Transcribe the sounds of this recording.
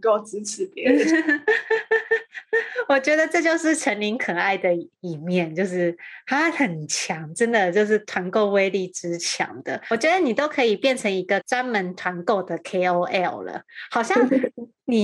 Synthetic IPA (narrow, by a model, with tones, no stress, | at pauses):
ko˥˩t͡s̩˥t͡s̩ʰ˨˥p | wɔ˨˩t͡ɕɥɛ˧˥d̪ə˨ʈ͡ʂɤ˥˧t͡ɕjo˥˧ʊʂɻ̩˥˩ʈ͡ʂʰə˧˥nli˧˥ŋkʰə˨˩a˥˩ɪd̪ə˩i˨˩mjɛ˥˨nt͡ɕjo˥˧ʊʂɻ̩˥˩t̪ʰa˥xə˨˩nt͡ɕʰjɑ˨˧˦ŋʈ͡ʂə˦˥nd̪ə˨t͡ɕjo˥˧ʊʂ̬ɻ̩˥˩t̪ʰwa˧˥nko˥˧ʊwe˥ɪli˥˩ʈ͡ʂɻ̩˧˦t͡ɕʰjɑ̰˨˧˥ŋd̪̥ə˨˩t͡ɕɥɛ˧˦d̪ə˧ni˨˩t̪o˥ʊkʰɤ˧˥i˨˩pjɛ˥˩nʈ͡ʂʰə˧˥ŋi˧˥ɡə˧˨t͡swa˥nmə˧˦nt̪ʰwa˧˦nko˥˩ʊd̪ə˩kʰe˥ɪo˥ʊʔɛ˥˩llə̰˩hɑ˨˩ʊɕjɑ˥˩˥ŋ | ni˨˩